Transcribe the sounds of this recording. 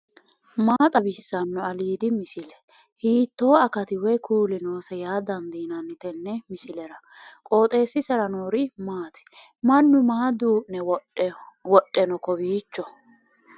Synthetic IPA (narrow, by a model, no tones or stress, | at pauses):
maːt̪ʼɐbɪsːɐnːɔɐliːd̪ɪmɪsɪlɛ | hiːt̪ːo̞ːɐkɐt̪ɪwɔjkʰuːlɪnoːsɛjaːd̪ɐnd̪iːnɐnːɪt̪ɛnːɛmɪsɪlɛɾɐ | kʼo̞ːt̪ʼe̞ːsːɪsɛɾɐnoːɾɪmaːt̪ɪ̥ | mɐnːʊmaːd̪uːnɛ | wɔɗʼːɛnɔkɔbiːt͡ʃːɔ